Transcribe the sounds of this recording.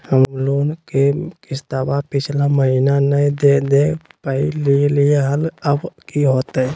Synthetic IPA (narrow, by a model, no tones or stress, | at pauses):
həmmloːnkekɪst̪abapɪt͡ʃʰlaməɦiːnanəjd̪ed̪epəililieɦələbkiɦoːt̪ɛ